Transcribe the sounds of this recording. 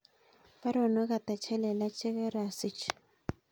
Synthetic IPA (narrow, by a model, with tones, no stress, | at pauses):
pa˦ɾɔ˨nɔ˦ɣa˨ta˨t͡ʃʰɛ˦lɛ˨la˦t͡ʃʰɪ˦ɣɛ˦ɾa˨si˦t͡ʃʰ